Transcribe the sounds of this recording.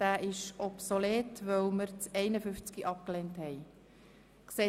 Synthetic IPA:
d̥æːʔɪʃɔpsoleːtʋœwməɾt͡sɛɪnəfʏft͡skiʔɑp̚klenthɛj | kseː

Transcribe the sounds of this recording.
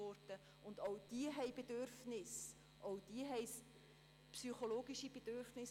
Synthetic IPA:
ɔɾtə | ʊnd̪oʊd̥iəɦɛɪbedøɾfnɪs | ʔowd̥iəɦɛɪs | psyχoloːɡiʃib̥ed̥øɾfnɪs

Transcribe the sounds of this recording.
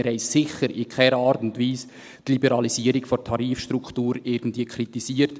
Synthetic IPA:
ɾɛɪssɪxəɾɪkʰɛɾəɑːɾtʊntviːs | tlibɛɾɑlisiːəɾɪkfɔtʰɑɾiːfʃtɾukχtuːɾɪɾɡn̩dviːəkʰɾitisiːəɾt

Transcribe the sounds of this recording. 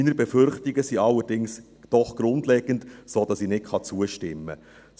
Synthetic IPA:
inəɾbɛfʏɾχtɪɡəsiɑlːəɾd̥ɪŋs | d̥ɔχɡ̥ɾʊndlɛːɡ̥ən̩tsoːd̥ɑsinɪtχɑt͡suəʃtɪmːə̰

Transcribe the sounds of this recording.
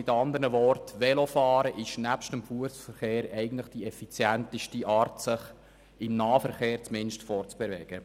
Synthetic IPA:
ɪtɑnd̪əɾnəʋɔrtʋɛlofɑːɾəʔɪʃnæpʃtəmfuəsfəɾχeːɾɛɪɡən̩t̪ləχd̥iɛfit͡sjænt̪iʃtiʔɑːrtsɪχ | ɪmnɑːfəɾχeːɾt͡smɪnʃtfɔɾt͡sb̥ɛvɛːɡ̥ə

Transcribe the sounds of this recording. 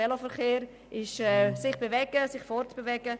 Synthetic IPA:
ɛlofəɾχeːɾ | ɪʃɛsɪχb̥evɛɡ̥əsɪχfɔɾtb̥evɛɡ̥ə

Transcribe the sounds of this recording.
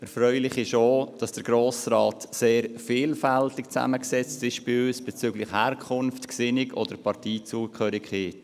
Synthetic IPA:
ɛɾfɾœʏlɪχɪʃoːd̥ɑsd̥əɾɡɾoːsɾɑːtseːɾfiːlfɛltɪkt͡sæ̰məksɛt͡stɪʃb̥ɪøːsb̥ɛt͡syːɡlɪχhæːɾkʰχʊnftksɪnɪɡɔ̰d̥əɾpʰɑɾtiːt͡suəkʰχœːɾɪkχeːt

